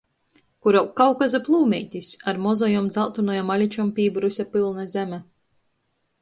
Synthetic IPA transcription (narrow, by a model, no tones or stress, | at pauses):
kuɾawkːawkazaplˠuːmʲɛ̰jt̪ʲisaɾmɔzɔjɔmd̪zalˠt̪unɔjamalʲit͡ʃɔmpʲiːbɾusʲapilˠnazʲæmʲɛ